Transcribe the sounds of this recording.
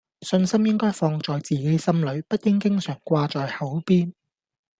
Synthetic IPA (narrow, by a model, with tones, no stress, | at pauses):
sɵ˧nsɐ˥mjɪ˥ŋkɔː˥jfɔː˧ŋt͡sɔː˨jt͡siː˨ke˨˥jsɐ˥mlɵ˨˧ɥpɐ˥t̚kɪ˥ŋkɪ˥ŋsœː˨˩ŋkʷaː˧t͡ʃɔː˨jhɐ˨˥wpiː˥n